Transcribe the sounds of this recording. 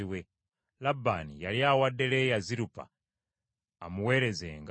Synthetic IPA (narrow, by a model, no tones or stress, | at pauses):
iwe | labːa̰nijaljaːwadːe̞le̞jaziɾupa̰ | muwe̞ːɾe̞zḛŋɡ